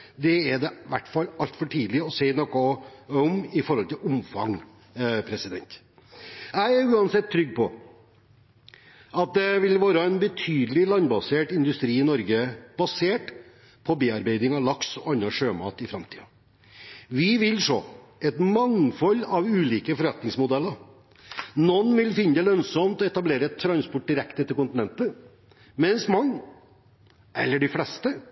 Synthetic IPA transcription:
d̪ɛæɖɛʋæʈːfɑlːɑlt̪fɔʈʰiːd̪lɪɔseɪnɔkːɔɔmɪfɔɾhɔlt̪ɪlʊmfɑ̰ŋ | pʰɾɛsɪd̪ɛ̰nt̪ | æɪæɾʉːɑnsɛt̪ʰːɾʏɡːpʰɔ | ɑt̪̚d̪ɛʋɪlʋoːɾəɛnbət̪ʰyːd̪əlɪlɑnbɑseːʈɪnd̪ʉst̪ɾiːɪnɔɾɡəb̥ɑseːʈ | pʰɔbeːɑɾbeɪd̪ɪŋɑʋlɑksɔɑnːɑʂøːmɑ̰ːt̪ɪfɾɑmt̪ʰi̥ːɑ | ʋɪʋɪlʂo̰ːɛt̪mɑŋfɔlːɑʋʉːliːkəfɔɾʋɛt̪nɪŋsmʊd̪ɛlːəɾ | nɔnːʋɪlfɪnːəd̪əlœnsɔmt̪ɔɛt̪ɑbleːɾəɛt̪ʰːɾɑnspɔʈ̚ɖ̪ɪɾɛkt̪ət̪ɪlkʊnt̪ɪnɛnt̪ə | mɛnsmɑŋː | ʔɛlːəɖɪflɛst̪ə

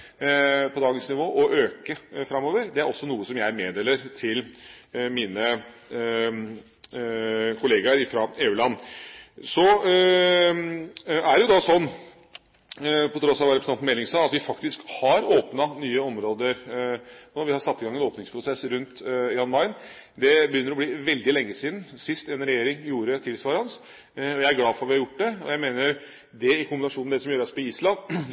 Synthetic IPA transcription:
pʰɔd̪ɑːɡənsnɪʋoːʔɔʔøːkəfɾɑmːoːʋəɾd̪ɛæɾɔsːɔnuːəsɔmjæɪmeːd̪eːləɾt̪ʰɪlmiːnə | kʰʊleːɡɑɾɪfɾɑeːʉːɭɑnː | sɔ | æɖɛjʊd̪ɑsɔnː | pʰɔt̪ʰɾɔsːɑʋɑɾɛpɾsnɑnmɛlːɪŋsɑːɑt̪ʋɪfɑkt̪ɪskhɑɾoːpnɑnyːəɔmɾoːd̪əɾ | noːʋɪhɑɾsɑt̪ːɪɡɑŋːɛnoːpnɪŋspʰɾʊsɛsːɾʉnt̪jɑnmɑɪn | d̪ɛbəjʏnːəɾɔbliːʋɛld̪ɪlɛŋːəsiːd̪n̩sɪst̪ɛnɾɛjeːɾɪŋjuːɾət̪ʰɪlsʋɑːɾɑns | ɔjæɪæɾɡlɑːfɔɾɑt̪ʋɪhɑɾjʊʈːd̪ɛɔ̰jæɪmeːnəɾ | d̪ɛɪkʰʊmbɪnɑʂuːnd̪ɛsɔmjøːɾɔspɔiːslɑnː

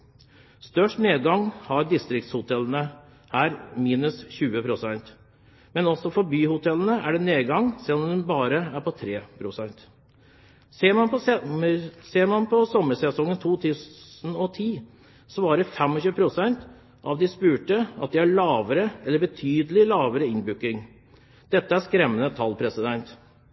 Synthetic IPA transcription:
st̪œʂʈneːd̪̚ɡɑŋːhɑɾd̪ɪst̪ɾɪk̚t̪shʊt̪ʰɛlənə | hæːɾmiːnʉsçʉːəpʰɾʊsɛnt̪ | mɛnɔsːɔfɔɾbyːhʊt̪ʰɛlːənəʔæ̰ɖɛneːd̪ɡɑŋːsɛlːɔmd̪ɛnbɑːɾəæɾpʰɔt̪ʰɾeːpʰɾʊsɛnt̪ | sːɑ | seːɾmɑnpʰɔsɔmːəsɛsɔŋːənt̪ʰuːt̪ʰʉːsn̩ɔt̪ʰiː | sʋɑːɾəfɛmɔçʉːəpʰɾʊsɛnt̪ | ʔɑʋd̪ɪspʉːʈəɑt̪̚d̪ɪæɭɑːʋəɾəɛlːəɾbət̪ʰyːd̪əlɪlɑːʋəɾəɪnbʉkːɪŋ | d̪̥ɛt̪ːəæskɾɛmːənət̪ʰɑlpʰɾɛsɪd̪ɛnt̪

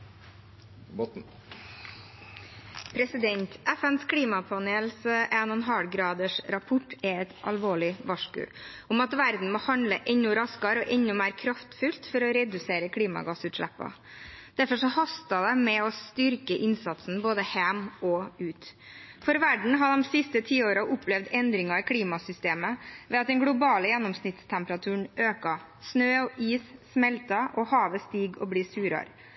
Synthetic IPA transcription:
pʰɾɛsɪd̪ɛnt̪ʰʔɛfɛnskʰɽiːmɑpʰɑneːlsʔɛnɔnɦɑlɡɾɑːd̪əʂɾɑpʰʊʈɛɛt̪ʔɑlʋoːɭɪʋɑʂkʉ̰ʊmɑt̪ʋæɾd̪n̩moːhɑnd̪lə̰ʔɛɲʊɾɑskɑɾɔʔɛɲʊmæːɾkʰɾɑft̪fʉlt̪fɔɾɔɾɛd̪ʉseːɾəkʰɽiːmɑ̰ɡɑsʉːt̪ʂɭæ̰pːɑ̰d̪̥æɾfɔʂɔhɑst̪ɑd̪ɛmɛɔst̪ʏɾkəʔɪnsɑt̪sn̩boːd̪əhæmʔɔʉːt̪fɔɾʋæɖɳ̩ɦɑd̪ɔmsɪst̪ət̪ʰiːoːɾɑʔʊpʰːlɛʋd̪ɛnd̪ɾɪŋɑɪkʰliːmɑsʏst̪eːməʋɛɑt̪̚d̪ɛŋɡɽʊbɑːləjɛnːɔmsnɪt̪st̪ʰɛmpɾɑt̪ʰʉːɳøːkɑ | snøːɔʔiːsːmɛlt̪ɑʔɔhɑːʋəst̪iːɡɔ̰bliːsʉːɾɑ̰ɾ

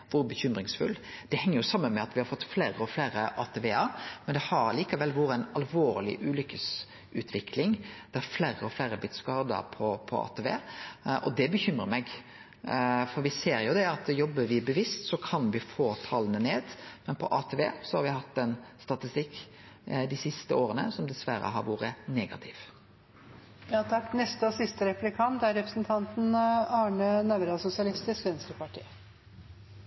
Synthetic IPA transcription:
ʋʊɾbəçʏmɾɪŋsfʉ̰lːd̪̥ɛhɛŋːəɾjʊsɑmːənmɛɑt̪ʋɪhɑɾfɔt̪ːfleːɾəɔflæːɾəʔɑːt̪ʰeʋeːəɾmɛnd̪ɛhɑɾliːkɑʋɛlːʋuːɾəæɪnɑlʋoːɾlɪ̰ʔʉːlʏkːəs | ʔʉːt̪ʰʋɪkʰlɪŋd̪̥ɛhɑɾflæːɾəɔflæːɾəblɪt̪skɑːd̪ə̰ɾpʰɔpʰɔɑ̰ːt̪ʰɛʋḛːʔɔd̪ɛbəçʏmɾəɾmɛɡ | fɔɾʋɪseːɾjʊd̪ɛɑt̪jɔbːəɾʋɪbəʋɪst̪sɔkʰɑnʋɪfoːt̪ʰɑlənəneːd̪mɛnpʰɔʔɑːt̪ʰeːʋḛːsɔhɑɾʋɪɦɑt̪ːɛnst̪ɑt̪ɪst̪ɪkː | d̪ɪsɪst̪əoːɾənə̰sɔmd̪ɛsʋæɾə̰ɦɑ̰ɾʋuːɾəneːɡɑ̰t̪ʰɪʋ | jɑːt̪ʰɑknɛst̪əɔsɪst̪əɾɛplɪkʰɑnt̪æɾɛpɾəsn̩t̪ʰɑnt̪n̩ɑːɳənɑʋɾɑsʊsɪɑlɪst̪ɪskʋɛnsk̪əpɑʈʰḭː

